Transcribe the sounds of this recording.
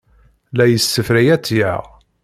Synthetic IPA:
læjəsːəfɾijæt͡sːjæ̰

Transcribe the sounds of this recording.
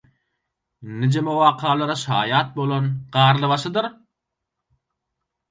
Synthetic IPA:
nid͡ʒemowɑːqʰɑːlˠɑɾɑʃɑːjɑːt̪̚bolˠonɢɑːɾlˠɯβɑʃɯd̪ɯɾ

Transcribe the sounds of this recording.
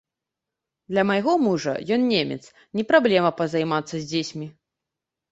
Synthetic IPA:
d̪lʲɐmɐjɣɔmuʐɐ̰jɔnnʲemʲɛ̰t̪s | nʲɛpɾablʲɛmɐpɐzajmat̪sːɐzʲd͡zʲesʲmʲi

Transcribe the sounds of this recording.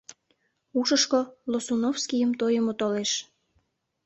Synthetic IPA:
uʃəʃkolosonofskijəmt̪ojəmot̪oleʃ

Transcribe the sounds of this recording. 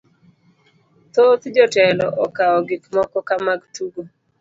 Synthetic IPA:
t̪ot̪d͡ʒɔtɛlɔʔɔkaɔɡɪkmɔkɔkamaɡtuɡo

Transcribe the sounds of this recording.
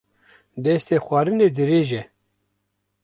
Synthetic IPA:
d̪ɛst̪eːxʷaːɾɨneːd̪ɨɾeːʒɛ

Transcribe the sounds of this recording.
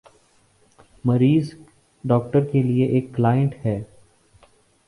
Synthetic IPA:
mɐɾiːz | ɖɔːkʈəɾkelieʔeːkːlaːjə̃ɳʈhɛː

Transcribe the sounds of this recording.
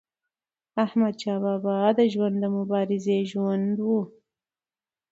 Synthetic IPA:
ahmad̪̚t͡ʃɑβɑbɑd̪əʒwand̪ːəmʊbɑɾɪzeʒwand̪wu

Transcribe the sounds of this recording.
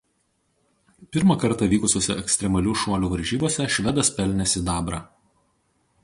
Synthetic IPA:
pʲɪɾmɐˑkɐɾt̪ɑˑʋʲiːkʊsʲoːsʲɛɛksʲt̪ʲɾʲɛmɐlʲuːʃuɔlʲuːʋɐɾʲʒʲiːboɔsʲɛʃʲʋʲɛd̪ɐspʲɛlʲnʲɛsʲɪd̪ɑːbɾɑː

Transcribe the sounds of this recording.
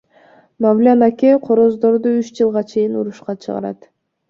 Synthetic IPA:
mavlʲanakʲeqʰoɾozd̪o̞ɾd̪uyt͡ʃd͡ʒɯlˠʁɑt͡ʃʰe̞jinuɾuʃqɑt͡ʃʰɯ̰ʁɑ̰ɾɑ̰t̪

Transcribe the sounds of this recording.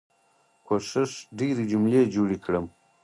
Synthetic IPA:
kʰoʃɪʂɖeɾid͡ʒumled͡ʒoɽikɽəm

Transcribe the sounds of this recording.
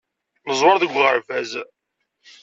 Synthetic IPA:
nəzˤwɑɾðəɡʷːʁəɾfæz

